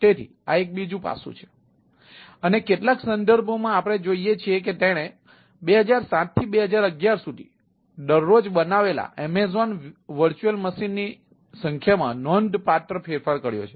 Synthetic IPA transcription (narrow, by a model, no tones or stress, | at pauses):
t̪et̪ʰḭ | a̰ek̚bid͡ʒũpa̰sṵ̃t͡ʃʰe̥ | ənekeʈlaksənd̪əɾbʱomãapɽ̃ed͡ʒoijet͡ʃʰiek̬et̪eɽ̃e | beɦəd͡ʒaɾsãt̪̚t̪ʰːibeɦəd͡ʒaɾəɡjaɾsud̪ʱḭ | ɖ̪əɾːod͡ʒbənaʋela̰ʔɛmezɔnʋəɾt͡ʃuəlməsinːi | sə̃ŋkʰjamã̰nɔnɖpaɾʈəɾfʰeɾfaɾkəɽjo̰t͡ʃʰe̥